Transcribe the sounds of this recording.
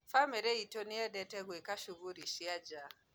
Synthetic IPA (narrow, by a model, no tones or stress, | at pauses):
famɛɾeitoniɛɗɛtɛɣwekaʃuɣuɾiʃiad͡ʒa